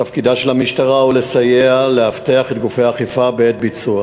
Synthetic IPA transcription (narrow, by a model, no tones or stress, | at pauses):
afkid̪aʃe̞lhamiʃtaʁaule̞sajeale̞haft̪eaχet̪ɡufejaːχifabeet̪̚bit͡sua